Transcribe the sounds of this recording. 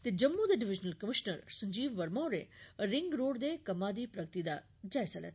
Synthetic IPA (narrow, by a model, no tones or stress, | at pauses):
t̪ed͡ʒɐmːud̪eɖɪʋɪd͡ʒnəlkəmɪʃnəɾsɐ̃ɲd͡ʒiːʋʋɐɾmaːɾeɾɪŋɡɾoːɽd̪ekɐmad̪ipɾɐɡ̚t̪id̪a | d͡ʒaːjsɐlḛt̪